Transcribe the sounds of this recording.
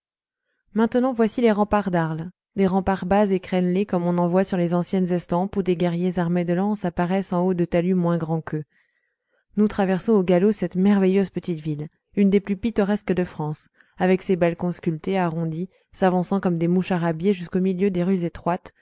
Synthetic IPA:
mɛ̃t̪nɑ̃vwasileʁɑ̃paʁd̪aʁl | d̪eʁɑ̃paʁbazekχɛnlekɔmɔ̃nɑ̃vwasyʁlezɑ̃sjɛnzɛ̃st̪ɑ̃pud̪eɡʲɛʁjezaʁmed̪əlɑ̃sapaʁɛsɑ̃od̪ət̪alymwɛ̃ɡʁɑ̃kə | nut̪χavɛʁsɔ̃oɡalosɛt̪mɛʁvɛjøzpət̪it̪vil | ynd̪eplypit̪ɔʁɛskəd̪əfχɑ̃s | avɛksebalkɔ̃skʲylt̪eaʁɔ̃d̪i | savɑ̃sɑ̃kɔmd̪emuʃaʁabjeʒyskomiljød̪eʁyzet̪χwat̪

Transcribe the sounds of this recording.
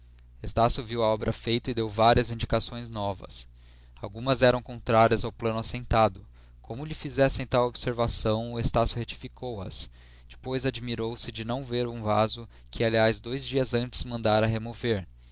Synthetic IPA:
est̪asjʊviwɐɔbɾʔɐfejt̪ɐɪd̪ewvaɾiɐzĩnd͡ʒikasõj̃znɔvɐ̰s | awɡũmɐzɛɾɐ̃w̃kõnt̪ɾaɾiɐzawplɐ̃nʊasẽnt̪ad̪ʊ | kʰõmʊʎɪfizɛsẽj̃t̪awobseɾvasɐ̃w̃est̪asjʊhet͡ʃi̥fikʰowɐ̰s | d͡ʒɪ̥pojzad͡ʒimiɾowsɪd͡ʒɪnɐ̃w̃veɾũvazʊ | kʰɪaliazd̪ojzd͡ʒiɐzɐ̃nt͡ʃɪ̥zmɐ̃nd̪aɾɐɦemoveɾ

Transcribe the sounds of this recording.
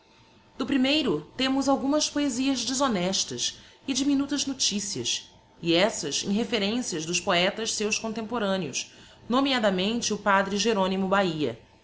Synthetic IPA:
d̪ʊpɾimejɾʊt̪ẽmʊzawɡũmɐspoeziɐzd͡ʒɪzonɛʃt̪ɐsɪd͡ʒiminut̪ɐznot͡ʃisiɐ̰s | ɪɛsɐzḛ̃j̃ɦefeɾẽsiɐzd̪ʊʃpoɛt̪ɐʃsewskõnt̪ẽmpoɾɐ̃niʊs | nomiad̪ɐmẽnt͡ʃɪʊpad̪ɾɪʒeɾõnimʊbaiɐ̰

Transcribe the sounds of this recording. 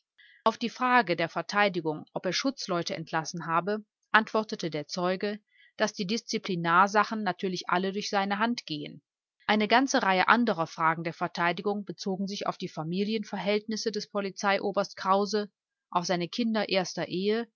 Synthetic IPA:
ʔaʊfd̥iːfʁ̥aːɡədeːɐfɛɐtʰaɪdɪɡʊŋʔɔpeːɐʃʊt͡slɔʏtəʔɛ̰ntʰlasn̩ɦaːbə | ʔantv̥ɔɐtətədeːɐt͡sɔʏɡə | d̥asd̥iːdɪst͡siplinaːɐzaχn̩ːatʰyːɐlɪçʔa̰lədʊɐçz̥aɪnəɦantɡ̥eːə̰n | ʔaɪnəɡant͡səʁaɪəʔandəʁ̞ɐfʁ̥aːɡŋ̩deːɐfɛɐtʰaɪdɪɡʊŋbət͡soːɡŋ̩zɪça̰ʊfd̥iːfamiːljənfɛɐɦɛltnɪsədɛspʰɔlit͡saɪʔoːbɐstkʁ̥aʊzə | ʔaʊfz̥aɪnəkʰɪndɐʔeːɐstɐʔeːə

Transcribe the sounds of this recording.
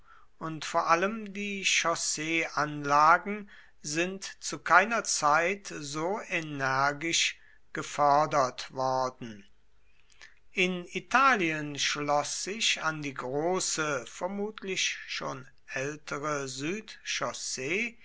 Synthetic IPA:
ʔʊntfoːɐʔaləmdiːʃɔseːʔanlaːɡŋ̩ | zɪntt͡sukʰaɪnɐt͡saɪtzoːenɛɐɡɪʃ | ɡ̥əfɔɐdɐtv̥ɔɐdn̩ | ʔɪnitʰaːliənʃlɔsz̥ɪçandiːɡʁoːsəfɛɐmuːtʰlɪçʃoːn | ʔɛltʰəʁəzyːtʃɔseː

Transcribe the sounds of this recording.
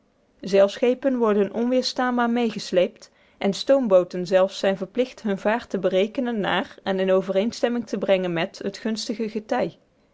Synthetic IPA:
zɛlˠfsχejpənʋɔɹdənʔɔnʋɪːɹstaːnbaːɹmejχəslejpt | ʔɛnstowmbowtənzɛlˠfsɛjnvəɹplɪχtɦɵnvaːɹtəbərejkənənːa̰ːɹɛnɪnowvərejnstɛmɪŋtəbrɛŋənmɛtɦətχɵnstəɣəɣətɑj

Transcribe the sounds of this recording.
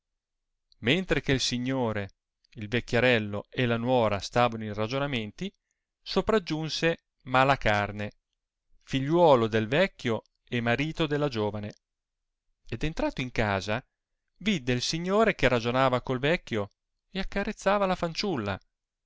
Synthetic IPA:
ment̪ɾekeilsiɲːoːɾe | ilvekːjeɾɛlːoelanwɔːɾast̪aːvanoirad͡ʒonament̪i | sopɾad͡ʒːunse | maːlakarne | fiʎːwɔːlod̪elvɛkːjo | emaɾiːt̪od̪elːad͡ʒoːvane | ed̪ent̪ɾaːt̪oiŋkaːza | vid̪ːeilsiɲːoːɾek̟erad͡ʒonaːvakolvɛkːjo | eakːaret̪sːaːvalafant͡ʃulːa̰

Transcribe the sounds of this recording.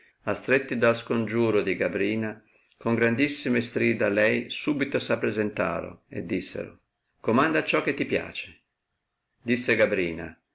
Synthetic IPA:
ast̪ɾet̪ːid̪alskond͡ʒuːɾod̪iɡabɾiːna | koŋɡɾand̪isːimest̪ɾiːd̪alɛjsuːbit̪osapːɾezent̪a̰ːɾo̰ḛd̪ːisːḛɾo̰ | komand̪at͡ʃːɔkːet̪ːipja̰ːt͡ʃe̥ | d̪isːeɡabɾiːna̰

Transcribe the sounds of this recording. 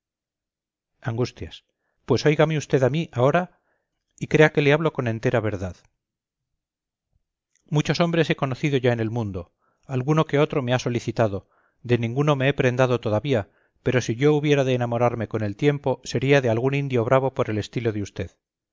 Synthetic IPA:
aŋɡust̪jas | pwe̞so̞jɣameust̪e̞ðamiʔao̞ɾa | ikɾe̞ake̞leaβlo̞ko̞nẽ̞nt̪e̞ɾaβ̞e̞ɾðað | mut͡ʃo̞so̞mbɾe̞se̞ko̞noθiðo̞ʝaene̞lmũnd̪o̞ | alɣuno̞ke̞o̞t̪ɾo̞measo̞liθit̪aðo̞ | d̪e̞nĩŋɡuno̞meepɾe̞nd̪að̞o̞t̪o̞ðaβia | pe̞ɾo̞siʝo̞uβjeɾaðeːnamo̞ɾaɾme̞ko̞ne̞lt̪je̞mpo̞se̞ɾiaðealɣunĩnd̪jo̞β̞ɾaβ̞o̞po̞ɾe̞le̞st̪ilo̞ðeust̪e̞ð

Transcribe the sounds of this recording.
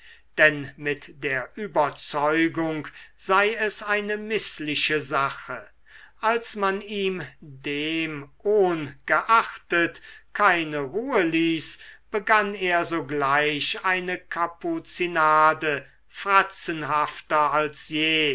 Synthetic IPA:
d̥ɛnmɪtd̥eːɐʔyːbɐt͡sɔʏɡʊŋkz̥aɪɛsaɪnəmɪslɪʃəzaχə | ʔalsmaniːmdeːmʔoːnɡ̥əʔaχtətkʰaɪnəʁuːəliːsb̥əɡaneːɐzoːɡlaɪɕaɪnəkʰaput͡sinaːdə | fʁ̥at͡sənɦaftɐalsjeː

